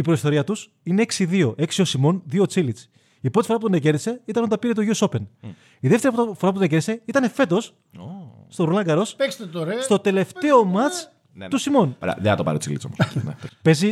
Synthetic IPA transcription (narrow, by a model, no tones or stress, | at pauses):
ipɾo̞ist̪o̞ɾiɐt̪us | ineeksiðio̞ʔe̞ksio̞simo̞nðio̞t͡silit͡s | ipɾot̪ifoɾɐp̬ut̪onece̞ɾðise̞it̪ɐnnd̪ɐpiɾet̪̬oʝiuoso̞pen | iðefteɾiɐpfo̞ɾɐput̪onece̞ɾði̥seit̪ɐne̞fe̞t̪o̞s | st̪oɾulɐŋɡɐɾo̞spekst̪et̪oɾɐst̪o̞t̪e̞le̞ft̪e̞o̞mɐt͡s | t̪usimo̞nɾɐ̰ðenɐt̪opɐ̰ɾet͡sḭlit͡so̰mnḛespe̞zi